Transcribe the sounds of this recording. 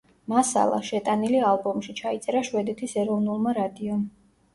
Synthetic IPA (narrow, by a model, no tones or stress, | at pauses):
masa̰lˠa̰ʃɛt̪ʼanilialˠbɔmʃit͡ʃʰait̪sʼɛɾaʃwɛd̪ɛt̪ʰisɛɾɔvnulˠmaɾad̪iɔm